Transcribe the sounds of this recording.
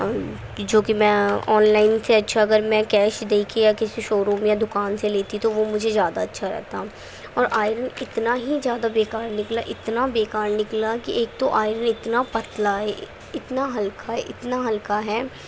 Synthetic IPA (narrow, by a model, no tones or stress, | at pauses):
d͡ʒoːkimɛ̃ːɔːnlaːɪnseɐtːʃʰaɐɡəɾmɛ̃kɛːʃd̪eːkʰejakɪsiʃoːɾũːmjad̪ʊkaːnseleːt̪it̪oʋomʊd͡ʒʱezjaːd̪aɐtːʃʰaɾɛ̰ɦt̪a | ɔːɾʔaːɪɾənɪt̪naɦizjaːd̪abeːkaːɾnɪklaʔɪt̪nabeːkaːɾnɪklakiʔeːk̚t̪oʔaːɪɾənɪt̪napɐt̪laɦɛ | ɪt̪naɦɐlkaɦɛʔɪt̪naɦɐlkaɦɛː